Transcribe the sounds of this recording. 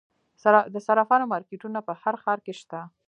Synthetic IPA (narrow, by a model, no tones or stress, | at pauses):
d̪əsaɾafɑnomɑɾkeʈunapəhaɾxɑɾkeʃt̪a